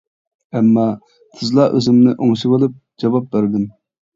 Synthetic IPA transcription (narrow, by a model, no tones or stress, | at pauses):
ɛmːɑ | t̪ʰɨzlˠɑʔøzɪmnɪʔoŋʃibəlˠup̚d͡ʒɑwɑp̚bæɾɪd̪ɪm